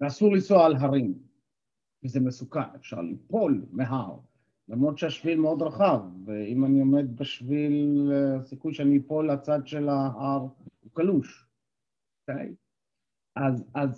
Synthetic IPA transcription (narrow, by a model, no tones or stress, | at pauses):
veasuʁlisoaalɦaʁim | kizemesukanefʃa̰ʁlḭpo̞lmeɦaʁ | lamʁod̪ʃeaʃvilmeo̞d̪ʁaχavːeimaniome̞d̪̚beʃvilsikujʃeaniipo̞lat͡sad̪ʃelaʔaʁukaluʃ | okej | ʔazaz